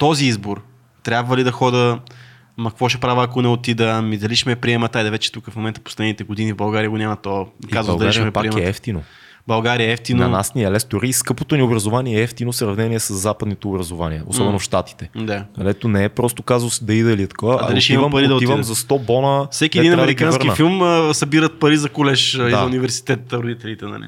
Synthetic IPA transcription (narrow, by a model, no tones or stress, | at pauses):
t̪ɔziizboɾ | t̪ɾʲabvəlid̪ɐxɔd̪ə | mɐkkvɔʃɛpɾavəɐkonɛot̪id̪əmid̪ɐliʃmɛpɾiɛmɐt̪aid̪ɐvɛt͡ʃɛ̥t̪ukəfmomɛnt̪əpo̥slɛd̪nit̪ɛɡod̪inivbɐlˠɡaɾiəɡonʲamɐt̪ɔikazvbɐlˠd̪ɐlaʃɾiəɛpaɾiɛmɛɛft̪ino | bɐlˠɡaɾiəɛft̪innɐnasnʲiɐlɛsd̪oɾiːskɤpot̪oniobɾɐzovaniɛɛft̪inosɾɐvnɛniɛsəzːapəd̪nit̪ɛobɾɐzovaniɛo̰sɔbɛnofʃt̪at̪i̥t̪ɛd̪aɐlɛt̪onɛɛpɾɔst̪okazosd̪ɐid̪əliɛt̪ɐ̥kovəɐ̰d̪ɐiʃimvəmpɐɾid̪ɐt̪ivəmzɐst̪ɔbɔnəfsɛkʲiɛd̪inɐmɛɾikkanvsɾnkiəfilˠmsɐbiɾət̪̚pɐɾizɐkʊlɛʃd̪aunivɛɾsi̥t̪ɛt̪ːɾod̪it̪ɛlit̪ɛnɐ̰lḭ